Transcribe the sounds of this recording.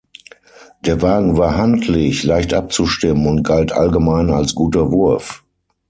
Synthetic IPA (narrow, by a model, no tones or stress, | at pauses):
d̥eːɐvaːɡŋ̩vaːɐɦantʰlɪçlaɪçtʔap̚t͡suʃtɪmənʊnt̚ɡ̥altʔa̰lɡəmaɪna̰lsɡ̥uːtɐvʊɐf